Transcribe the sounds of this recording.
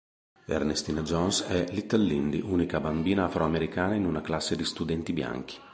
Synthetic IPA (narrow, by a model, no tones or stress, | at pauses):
ɛ̰rnest̪inad͡ʒɔnsɛlit̪ːalːind̪iʔuːnikabambiːnaafɾoameɾikaːnainunaklasːed̪ist̪ud̪ɛnt̪ibja̰ŋk̟i̥